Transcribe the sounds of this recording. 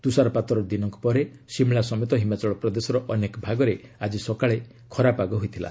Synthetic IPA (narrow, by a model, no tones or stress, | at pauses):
t̪usaɾɔpat̪ɔɾɔd̪inɔŋku̥pɔɾe | simɭasɔmet̪ɔɦimat͡ʃɔɭɔpɾɔd̪esɔɾɔʔɔnekɔbʱaɡɔɾead͡ʒisɔkaɭe | kʰɔɾapaɡɔɦojt̪ʰila̰